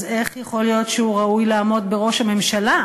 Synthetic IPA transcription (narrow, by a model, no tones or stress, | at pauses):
ze̞χjeχo̞ljo̞tʃeuʁaujlaːmo̞dbeʁo̞ʃhame̞mʃala